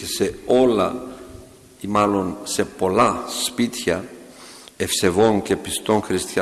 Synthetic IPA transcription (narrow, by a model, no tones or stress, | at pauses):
ese̞o̞lɐ | imɐlo̞nse̞po̞lɐspit̪çɐ | efse̞vo̞ŋce̞pist̪o̞nxɾist̪çɐ